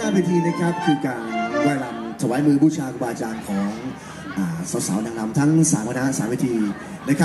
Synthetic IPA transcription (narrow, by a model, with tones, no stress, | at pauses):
haː˥˩weː˧t̪ʰiː˧na˦˥kʰɾa˦˥p̚kʰɯː˧kaː˧nwɛː˥˩la˧mt̪ʰa˧waː˦˥jmɯː˧buː˥˩t͡ɕʰaː˧ku˧baː˧t͡ɕaː˧nkʰɔː˩˦ŋ | ʔaː˨˩sa˨˦˥t̚sa˩˦wnaː˧ŋla˧mt̪ʰa˦˥ŋsaː˩˦mkʰa˧na˦˥saː˩˦mweː˧t̪ʰiː˧ | na˦˥kʰa˦˥